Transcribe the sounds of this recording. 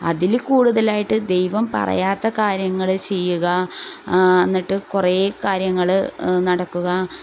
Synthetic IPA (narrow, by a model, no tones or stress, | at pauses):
ɐ̰ðilkuːɽuðɐlaːjiʈːɨd̪e̞jʋɐmpɐ̰rɐ̰jaːt̪ːɐkaːɾjɐŋːɐɭt͡ɕejːuɣɐ | enːiʈːɨkure̞ːkaːɾjɐŋːɐɭnɐɽɐkːuɣɐ